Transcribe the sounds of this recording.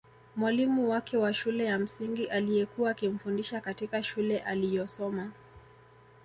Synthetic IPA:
mwalimuwakɛwaʃulɛjam̩siŋɡiʔalijɛkuaːkim̩fundiʃakatikaʃulɛʔalijɔsɔma

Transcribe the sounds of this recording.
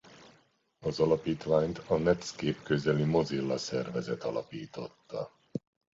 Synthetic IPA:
ɒzɒlɒpiːt̪ʋaːɲt̪ɒnɛt̪skeːpkø̞zɛlimo̞zilːɒsɛrvɛzɛt̪ɒlɒpiːt̪o̞t̪ːɒ

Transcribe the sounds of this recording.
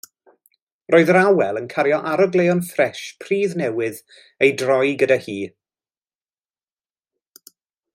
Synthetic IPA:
rʔoːɨðɾawɛlˠənkʰaɾjɔʔaɾəɡlˠejɔnfrɛʃpʰr̥iːðnɛwɪð | ejdrɔjɡədahiː

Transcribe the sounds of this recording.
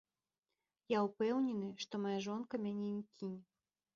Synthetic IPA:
jaupɛwnʲɛnɨʂt̪ɔmajaʐɔnkɐmʲanʲɛnʲikʲʰinʲ

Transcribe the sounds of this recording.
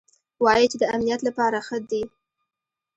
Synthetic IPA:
wɑjit͡ʃed̪əamnijat̪lapɑɾaxəd̪i

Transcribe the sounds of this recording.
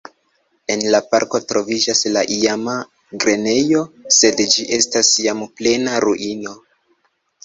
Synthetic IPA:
e̞nlapa̰ɾko̞tɾo̞vid͡ʒaslaʔijama | ɡɾe̞ne̞jo̞se̞dd͡ʒiʔe̞stasjample̞naɾuʔino̞

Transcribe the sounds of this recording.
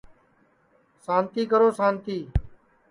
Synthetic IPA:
sãːnt̪iːkəɾoːsaːnt̪iː

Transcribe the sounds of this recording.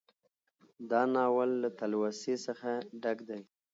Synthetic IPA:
d̪ɑnɑwalːat̪alwasesəxaɖaɡd̪aj

